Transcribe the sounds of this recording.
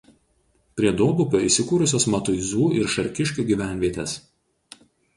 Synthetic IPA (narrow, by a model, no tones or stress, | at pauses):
pʲɾʲiɛd̪oːbʊkʲoːiˑsʲɪkuːɾʊsʲoːsmɐt̪ʊɪzuːɪɾʃɐɾʲkʲɪʃʲkʲuːɡʲiːʋʲæˑnʲʋʲiɛt̪ʲes